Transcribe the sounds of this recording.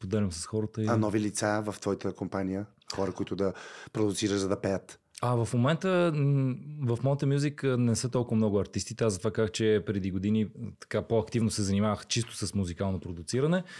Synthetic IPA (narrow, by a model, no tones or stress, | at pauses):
pod̪ɛlʲɐmsɐ̥sxɔɾət̪əianɔvilit̪savɐft̪vɔjit̪əkompanijə | xɔɾəkʊit̪ʊd̪ɐpɾod̪ʊt̪siɾəʃzɐd̪ɐpɛjət̪ | ɐvɐfmomɛnt̪ə | vɐfmɔnt̪əmʲjuziknɛsət̪ɔlˠkʊvəmnɔɡʊɐɾt̪ist̪it̪ɛazɐt̪ovakakt͡ʃɛpɾɛd̪iɡod̪init̪ɐ̥kapoɐkt̪ivnosɛzɐnimavəxt͡ʃist̪ʊ̥səsmuzikalˠnopɾod̪ʊt̪siɾənɛ